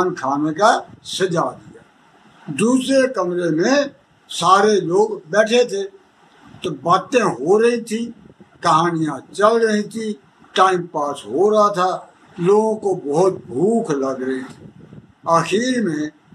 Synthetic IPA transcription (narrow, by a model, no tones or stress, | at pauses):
nkʰaːnekasəd͡ʒaːd̪ɪja̰ː | d̪uːsɾekəmɾemẽ | saːɾeloːɡbɛːʈʰet̪ʰe | t̪obaːt̪ẽɦoːɾəɦĩt̪ʰĩ | kəɦaːnɪjãt͡ʃəlɾəɦĩt̪ʰĩ | ʈaːɪmpaːsɦoːɾəɦat̪ʰaː | loːɡõkobəːt̪̚bʱuːkʰləɡɾəɦĩt̪ʰi | əxiːɾmẽ